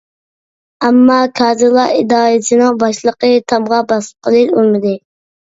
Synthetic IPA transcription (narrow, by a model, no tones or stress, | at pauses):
æmːɑkʰɑːzɨlˠɑid̪ɑːjisɨnɨŋbɑʃlˠəqət̪ʰɑmʁɑbɑsə̥p̚qʰəlˠɨʃolmɪd̪ɨ